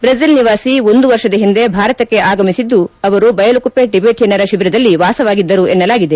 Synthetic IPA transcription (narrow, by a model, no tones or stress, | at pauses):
bɾɐsilniʋaːsio̞nd̪uʋɐɾʃɐd̪ɐɦind̪e̞bʱaːɾɐt̪ɐkːe̞ʔaːɡɐmisid̪ːuɐʋɐɾubɐjɐlukupːeɖibeːʈjɐnɐɾɐʃiʋiɾɐd̪ɐlːiʋaːsɐʋaːɡid̪ːɐɾuenːɐlaːɡid̪e̞